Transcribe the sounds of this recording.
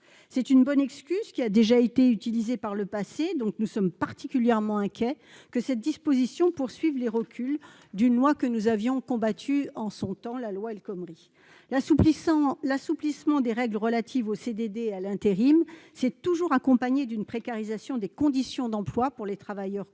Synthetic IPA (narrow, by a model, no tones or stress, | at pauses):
sɛt̪ynbɔnɛkskʲyzkʲiad̪eʒaet̪eyt̪ilizepaʁləpased̪ɔ̃k̚nusɔmpaʁt̪ikʲyljɛʁmɑ̃ɛ̃kʲjɛ | kəsɛt̪̚d̪ispozisjɔ̃puʁsɥivleʁəkʲʰyl | d̪ynlwakənuzavjɔ̃kɔ̃bat̪ʰyɑ̃sɔ̃t̪ɑ̃lalwaɛlkɔmʁi | lasuplismɑ̃d̪eʁɛɡləʁəlat̪ʰivosed̪ed̪ealɛ̃t̪eʁimsɛt̪uʒuʁakɔ̃paɲed̪ynpχekaʁizasjɔ̃d̪ekɔ̃d̪isjɔ̃d̪ɑ̃plwapuʁlet̪χavajœʁ